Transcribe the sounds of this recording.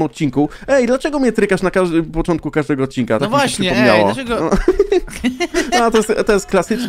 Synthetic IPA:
mɔt̪̚t͡ɕiŋku | ɛjd̪lat͡ʂɛɡɔmʲɲɛt̪ɾɘkaʂnakaʐd̪ɪpɔt͡ʂɔnt̪kukaʐd̪ɛɡɔːt̪̚t͡ɕinkat̪avwapʂɛpɔmɲa̰wa̰ɛɡɔ | nɔat̪ɔjɛst̪t̪ɔjɛst̪̚klasɘt͡ʂ

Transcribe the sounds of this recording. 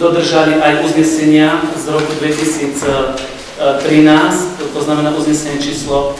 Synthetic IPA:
d̪ɔd̪r̩ʒaliʔajuzɲɛsɛɲiazɾɔkud̪ʋɛcisiːt͡s | t̪ɾinaːsct̪ɔznamɛnaːʔuzɲɛsɛɲɛt͡ʃiːslɔ

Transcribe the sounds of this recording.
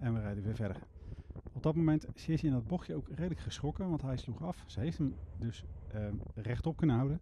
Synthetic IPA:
ɛnʋərɛjdəʋɪːɹvɛdə̰ɹ | ɔb̚dɑt̚momɛntsɪːsiɪndɑd̚bɔχjəowkrejdələkχəsχɔkəʋɑntɦɛjsluχɑfsəɦejftɦəmdɵs | rɛχtɔp̚kɵnəɦɑwdən

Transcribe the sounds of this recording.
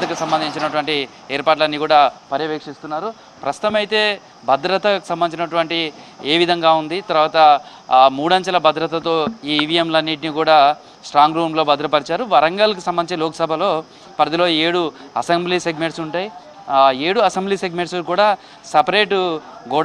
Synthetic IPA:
t̪ɐkusɐmbɐnd̪iɲt͡ʃinɐʈuʋɐɳʈi | eːɾpaːʈ̬lɐnːiːkuːɽaːpɐɾjɐʋeːkʂist̪unːaːɾu | pɾɐst̪u̥t̪ɐmɐjit̪e̞ː | bʱɐd̪ɾɐt̪ɐkusɐmbɐniːt͡ʃinɐʈuʋɐɳʈi | eːʋid̪ʱɐŋɡaːund̪it̪ɐɾuʋaːt̪ɐ | muːɽɐɲt͡ʃɐlɐbʱɐd̪ɾɐt̪ɐt̪o̞ːiːʋiemlɐnːiʈ̬inikuːɽaː | sʈɾaːŋɡɾuːmlo̞ːbʱɐd̪ɾɐpɐɾit͡ʃaːɾuʋɐɾɐŋɡaːlɐkusɐmbɐnit͡ʃeloːkɐ̥sɐbʱɐlo̞ː | pɾɐd̪ilo̞ːeːɽuɐsembliːseɡmeɳʈsuɳʈaːji | e̞ːɽuɐsembliːseɡme̞ɳʈskuːɽaː | sɐpɐɾe̞ːʈɡuːɽ

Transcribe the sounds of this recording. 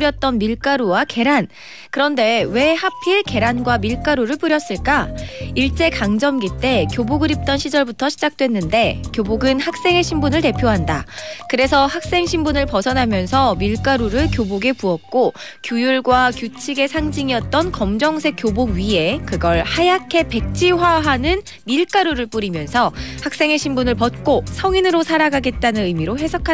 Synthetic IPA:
ɾjʌt̚t͈ʌnmiɭk͈aɾowake̞ɾan | kɯɾʌnde̞we̞hapʰiɭke̞ɾanɡwamiɭk͈aɾoɾɯɭpuɾjʌs͈ɯɭk͈aiɭt͡ɕ͈e̞kaŋd͡ʑʌmɡit͈e̞kjoboɡɯɾip̚t͈ʌnɕʰid͡ʑʌɭbutʰʌɕʰid͡ʑak̚t͈we̞nːɯnde̞kjoboɡɯnhak̚s͈e̞ŋe̞ɕʰimbunɯɭte̞pʰjoɦandakɯɾe̞sʰʌhak̚s͈e̞ŋɕʰimbunɯɭpʌsʰʌnɦamjʌnsʰʌmiɭk͈aɾuɾɯɭkjoboɡe̞puʌk̚k͈o | kjojuɭɡwakjot͡ɕʰiɡe̞sʰaŋd͡ʑiŋiʌt̚t͈ʌnkʌmd͡ʑʌŋsʰe̞k͈joboɡɥie̞kɯɡʌɭhajakʰe̞pe̞k̚t͡ɕ͈ʰiwaɦanɯn | miɭk͈aɾuɾɯɭp͈uɾimjʌnsʰʌhak̚s͈e̞ŋɦe̞ɕʰimbunɯɭpʌt̚k͈osʰʌŋinɯɾosʰaɾaɡaɡe̞t̚t͈anɯnɯjmiɾoɦe̞sʰʌkʰa

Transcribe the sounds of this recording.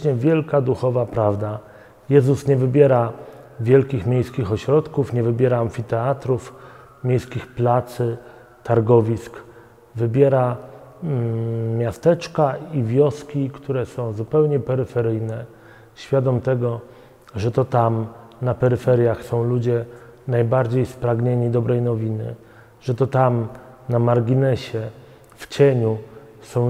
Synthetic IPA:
ɲɛvʲjɛlkad̪uxɔvapɾavd̪a | jɛzusɲɛvɘbʲjɛɾa | vʲjɛlkʲixmʲjejskʲixɔɕɾɔt̪kufɲɛvɘbʲjɛɾaaɱfʲit̪ɛat̪ɾuf | mʲjejskʲixplat̪sɘ | t̪aɾɡɔvʲisk | vɘbʲjɛɾa | mʲjast̪ɛt͡ʂkaivʲjɔskʲikt̪uɾɛsɔ̃w̃zupɛwɲɛpɛɾɘfɛɾɘjnɛ | ɕfʲjad̪ɔmt̪ɛɡɔ | ʐɛt̪ɔt̪amnapɛɾɘfɛɾʲjaxsɔ̃w̃lud͡ʑɛ | najbaɾd͡ʑejspɾaɡɲeɲid̪ɔbɾɛjnɔvʲinɘ̰ | ʐ̥ɛt̪ɔt̪amnamaɾɡʲinɛɕɛ | ft͡ɕɛɲu | sɔ̃w̃

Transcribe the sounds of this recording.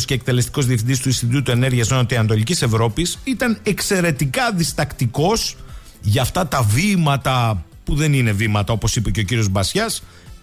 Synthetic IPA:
scek̚t̪e̞le̞st̪i̥ko̞zðiefθind̪ist̪uist̪it̪ut̪ue̞ne̞ɾʝiɐsonot̪eiɐnd̪o̞licise̞vɾo̞pisit̪ɐne̞kse̞ɾe̞t̪ikɐðist̪ɐkt̪iko̞s | ʝɐːft̪ɐt̪ɐvimɐt̪ɐ | puðe̞nine̞vimɐt̪ɐo̞po̞sipe̞ce̞o̞ciɾio̞zbɐsçɐs

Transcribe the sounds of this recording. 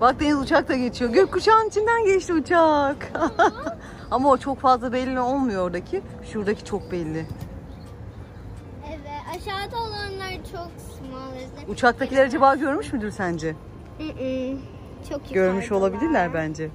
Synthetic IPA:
bak̚d̪enizut͡ʃʰak̚t̪ʰaɟet͡ʃʰijo̞ɟøkkut͡ʃʰaːnit͡ʃʰind̪ænɟɛt͡ʃt̪ʰiut͡ʃʰak | amaot͡ʃʰo̞kfazlˠabɛlʲːiːmɛo̞lˠmujooɾd̪acʰi | ʃuɾd̪acʰi̥t͡ʃʰo̞k̚bɛlʲːɪ | evɛt̪aʃaːd̪aolˠanlˠaɾt͡ʃʰok | malˠa | ut͡ʃʰak̚t̪ʰailʲeɾad͡ʒebaːɟø̞ɾmyʃmyd̪yɾsænd͡ʒɛ | t͡ʃʰoɟøɾmyʃo̞lˠabilʲiɾlʲæɾbænd͡ʒɛ

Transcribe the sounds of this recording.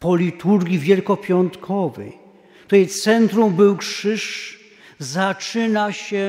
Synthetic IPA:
pɔlʲit̪uɾɡʲivʲjɛlkɔpʲjɔnt̪kʰɔvɛ̰j̪ | ut̪ɛjt̪sɛnt̪ɾumbɘwkʂɘʂ | zat͡ʂɘnaɕɛ

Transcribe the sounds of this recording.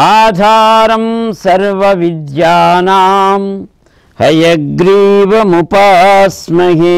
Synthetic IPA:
aːd̪ʱaːɾɐmsɐɾʋɐʋid̪jaːnaːm | hɐjɐɡɾiːʋɐmupaːsmɐɦi

